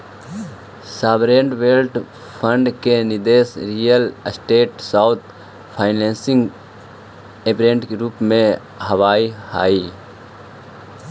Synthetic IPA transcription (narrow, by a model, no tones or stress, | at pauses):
saːbɾeːɳɖʋeːlʈ | pʰəɳɖkenɪd̪eːsɾijəlsʈeːʈsaːʊt̪ʰ | pʰaːɪnẽːnsɪ̃ŋɡ | epɾẽːɳʈɡɾuːpmẽ | ɦəʋaːiha̰ːiː